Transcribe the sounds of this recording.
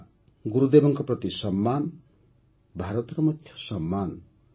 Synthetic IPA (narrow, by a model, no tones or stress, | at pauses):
ɡuɾud̪ebɔŋkɔpɾɔt̪isɔmːan | bʱaɾɔt̪ɔɾɔmɔt̪ʰjɔ̥sɔmːan